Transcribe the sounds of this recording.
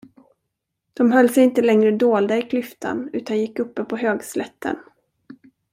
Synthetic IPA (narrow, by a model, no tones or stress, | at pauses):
d̪̥ɔmɦœlːsɛjɪnt̪əlɛŋɾəd̪oːld̪aɪkʰlʏft̪ʰa̰nʉ̟ːt̪anjɪkːɵpːəpʰɔɦøːɡslɛt̪ʰːə̰n